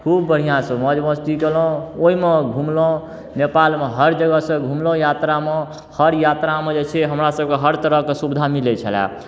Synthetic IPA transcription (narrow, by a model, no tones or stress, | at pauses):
kʰubːəɽ̤ijãsə̃məd͡ʒməst̪ikelõoimeɡʱumlõ | nepalmeɦəɾd͡ʒəɡəsə̃ɡʱumlõjat̪ɾame | həɾjat̪ɾamẽd͡ʒet͡ʃʰeɦəmɾasəb̚keɦəɾt̪əɾəɦkesubd̪ʱamilɛt͡ʃʰəla̰